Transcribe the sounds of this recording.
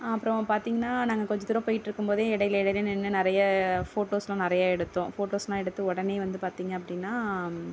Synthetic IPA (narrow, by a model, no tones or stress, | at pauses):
ɐpːɯɾɔ̃paːɾt̪iːŋɡɐnːaːnaːŋɡɐkɔɲd͡ʒɐt̪ɪɾɔ̃poːjɪʈːɪɾɯkːɯmpoːðeːɛɽɐjɪlɛɽɐjɪlɛnːɛnːɯnɪɾɐjɐfoːʈoːslãːnɪɾɐjaːɛɽɯt̪ːõːfoːʈoːslãːɛɽɯt̪ːɯɔɽɐneːʋɐnd̪ɯpaːɾt̪iːŋɡɐɐpːɐɽɪnːaː